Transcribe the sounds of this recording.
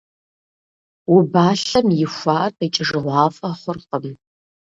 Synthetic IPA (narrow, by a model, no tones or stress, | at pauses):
wubaːɬɐmjɪxʷɑːrtɐt͡ʃʼɪʒɨʁʷɑːfʼɐχʷʊrqəm